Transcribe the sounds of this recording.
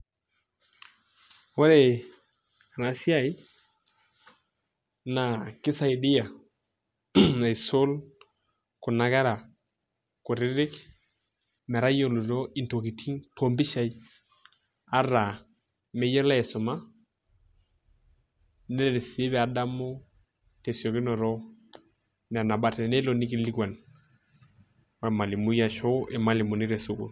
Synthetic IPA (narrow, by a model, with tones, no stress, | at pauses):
wo˦ɾe˨ | a˨na˨si˦a˦j | na˨kɪ˦sa˨i˨di˦ja˨ | na˨i˨so˦l | kʊ˨na˨ɡa˦ɾa˨ | kʊ˨ɾɪ˦ɾɪ˦k | mɛ˨ɾa˦jo˨lu˨ɾo˦i˨nto˨ki˨tʰi˦ŋtʰo˨mbi˦ʃa˨i˦ | a˦ɾa˨ | mɛ˦jɛ˦la˦ɛ˨sʊ˨ma˦ | nɛ˦le˨ɾe˨si˨e˦βɛ˨a˨da˦mo˦ | te˨sjo˨kɪ˦nɔ˨ɾɔ˦ | nɛ˨a˨na˨ba˨tɛ˨nɛ˦lo˨ni˦ki˦li˦kwa˨n | wa˨ma˨li˨mu˦ja˦˨ʃo˦ʔɛ˨ma˦lɪ˨mu˨nɪ˦ɾe˨su˦kṵ˨l